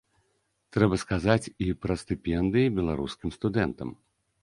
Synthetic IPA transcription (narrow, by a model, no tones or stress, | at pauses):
t̪ɾɛbɐskazat͡sʲipɾɐst̪ɨpʲɛnd̪ɨjibʲɛlˠaɾuskʲimst̪ud̪ɛnt̪ɐ̰m